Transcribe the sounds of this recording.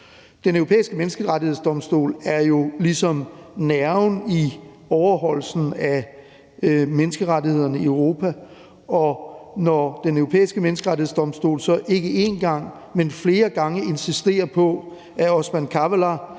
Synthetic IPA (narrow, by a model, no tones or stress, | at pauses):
d̥enøʊopʰḛːisɡ̥əmensɡ̥əʁɑt͡sihḛsd̥ɒ̽msd̥o̝̰ːlæɐjo̝lisɒ̽mnæɐʊni | ɒʊɐɦɒ̽l̰sn̩æ | menəsɡ̥əʁɑdihe̝ð̞̰ˠɐnəiʊʁo̝ːpʰæ | ɒ̽nɒd̥enøʊʁopʰḛːisɡ̥əmenəsɡ̥əʁɑ̈ɾie̝̰sd̥ɒ̽msd̥o̝̰ːlsɒ̽ʔe̝ɡ̥əʔe̝nɡ̥ɑ̈ŋ̰ | menfle̝ːɐɡ̥ɑ̈ŋəe̝nsisd̥e̝̰ːɐpʰɒ̽ | æɒsmænkʰæʋælɑ